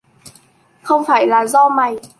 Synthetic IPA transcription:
xə˧wŋ͡mfaː˧˩jlaː˨˩zɔ˧ma˨˩j

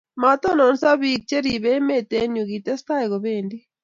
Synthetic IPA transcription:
ma˨˦t̪ɔ˦nɔ˨nsa˦βi˨k̚t͡ʃe˦ɾi˨βɛ˦me˨t̪eɲu˨ɣit̪ɛ˦st̪a˦iɣɔβendi˦

